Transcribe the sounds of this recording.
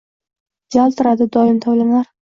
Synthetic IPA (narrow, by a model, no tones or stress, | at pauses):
d͡ʒalˠt̪ʰʊɾad̪ɪd̪ɒjɪmt̪ʰawlanaɾ